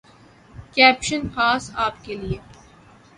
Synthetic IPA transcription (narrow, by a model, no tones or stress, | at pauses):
kɛːpʃənxaːsaːpkelie